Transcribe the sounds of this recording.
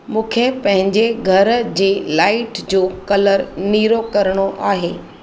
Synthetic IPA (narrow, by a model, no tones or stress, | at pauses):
mũːkʰepɐ̃ɦɪ̃ɲd͡ʑeɡʱɐɾd͡ʑeːlaːɪʈd͡ʑoːkɐləɾniːɾokɐɾɽ̃oʔaːɦeː